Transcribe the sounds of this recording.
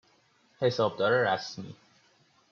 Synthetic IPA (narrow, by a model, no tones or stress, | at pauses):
he̞sɒːb̚d̪ɒːɾeɾæsmḭː